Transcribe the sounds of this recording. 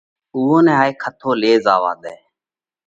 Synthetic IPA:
uːõːnɛ̃ːɦaːeːkʰət̪ʰoːleːzaːʋa̰ːd̪ɛː

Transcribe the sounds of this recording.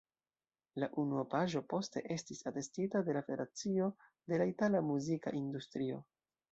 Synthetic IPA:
laʔunuopaʒo̞po̞ste̞̰ʔe̞stisate̞stitade̞lafeɾat͡sio̞ | de̞laitalamuzika̰ʔindustɾio̞̰

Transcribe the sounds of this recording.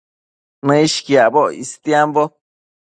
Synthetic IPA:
nãiʃkjaboʔist̪jambo

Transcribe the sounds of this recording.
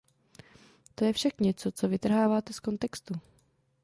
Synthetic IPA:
t̪o̞jɛfʃakɲɛt͡so̞t͡so̞vɪt̪r̩ɦaːvaːt̪ɛsko̞nt̪ɛkst̪u

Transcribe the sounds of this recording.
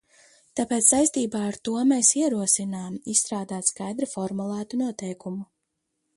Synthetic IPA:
t̪apeːt̪ssajst̪iːbaːaɾt̪uɔmeːsiɛɾuɔsinaːmist̪ɾaːd̪aːt̪skajd̪ɾifɔɾmulˠæːt̪unuɔt̪ɛjkumu

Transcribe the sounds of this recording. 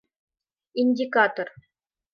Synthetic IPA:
inʲdʲikat̪or

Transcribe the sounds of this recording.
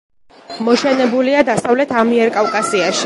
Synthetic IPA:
mɔʃɛnɛbuliad̪asavlɛt̪ʰamiɛɾkʼafkʼasiaʃi̥

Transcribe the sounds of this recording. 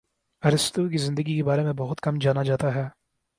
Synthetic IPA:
ɐɾɪst̪uk̬izɪ̃nd̪əɡikebaːɾemẽbɐɦʊt̪kɐmd͡ʒaːnad͡ʒaːt̪aɦɛː

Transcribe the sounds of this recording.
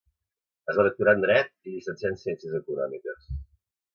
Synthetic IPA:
əzaðək̚t̪uɾand̪ɾɛt̪̚ilisənsiansiɛnsiəzəkunɔ̰mikəs

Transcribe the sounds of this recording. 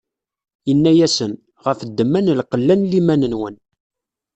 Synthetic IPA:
ənːæjæsən | ʁəfd̪ːəmːænəlqəlːænlimænənwən

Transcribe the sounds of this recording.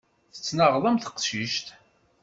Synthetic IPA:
θə̥t͡sːnəʁðˤəmθə̥qʃiʃt̪

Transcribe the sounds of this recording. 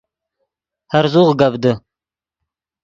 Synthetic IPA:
haɾzuʁɡabd̪ɨ

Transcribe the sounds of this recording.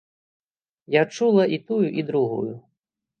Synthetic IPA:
jat͡ʂulˠɐʔit̪ujuʔid̪ɾuɣṵju

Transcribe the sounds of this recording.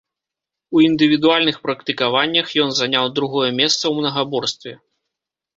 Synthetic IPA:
uind̪ɨvʲid̪ualʲnɨxpɾɐkt̪ɨkavanʲːɐxjɔnzanʲawd̪ɾuɣɔjɛmʲɛst̪sɐwmnɐɣabɔrst̪vʲɛ

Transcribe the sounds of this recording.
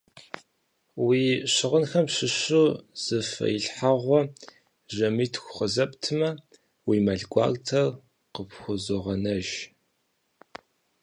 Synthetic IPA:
wiːɕɪʁənxɐmpʃɪɕuːz̥ɨfɐ̰jiɬħaʁʷɔ | ʒɐmiːtʰxʷʊχəzɐptʰɨmɐ | wiːmɐɮɡʷʼɑ̰ːɣtʰɐr | qəpxʷʊzoʁɐnɐʒ

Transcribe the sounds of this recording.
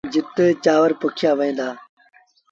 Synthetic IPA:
d͡ʒɪt̪ət͡ʃaːʋəɾpʊkʰɪjaːʋəĩːnd̪aː

